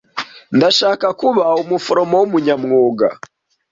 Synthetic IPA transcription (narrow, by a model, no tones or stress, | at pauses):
ndaʃaːkakuβaumufoɾomowumuɲamŋoːɡa̰